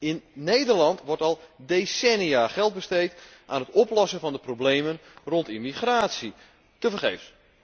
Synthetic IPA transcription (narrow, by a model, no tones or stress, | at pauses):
ɪnːejdərlɑntʋɔɹtɔlˠdesɛnijaːχɛlˠt̚bəstejtʔaːnɦətɔplɔsəfɑndəprobleːmənrɔntimiχraːtsi | təfərχeːfs